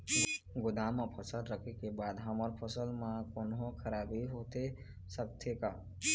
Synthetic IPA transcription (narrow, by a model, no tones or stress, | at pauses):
ɡʊd̪amapʰəsəlɾəkʰekebaːd̪ɦəməɾpʰəsəlmãkonɦõkʰəɾaːbiɦot̪e | sək̚t̪ʰeka